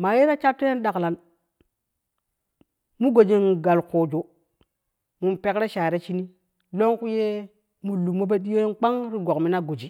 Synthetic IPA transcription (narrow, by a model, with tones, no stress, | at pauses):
ma˨je˦ɾa˦t͡ʃa˦tːe˦je˦n˦ɗa˨kla˨n | mu˦ɡo˨d͡ʒi˨n˨ɡa˨lkoː˨d͡ʒo˨ | mu˨npe˦kɾe˦ʃa˨ɾe˦t͡ʃi˦ni˦ | lo˦ŋku˦je˦ | mu˨lu˨mo˦b̬e˦ɗi˦jo˦jnk͡pa˦ŋɾi˦ɡo˨kmi˦na˦ɡo˨d͡ʒi˨